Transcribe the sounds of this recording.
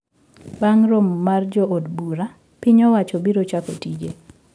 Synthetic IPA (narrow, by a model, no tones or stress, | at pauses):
baŋɾomːard͡ʒɔodbuɾa | piɲɔwat͡ʃɔbiɾot͡ʃako̰tid͡ʒe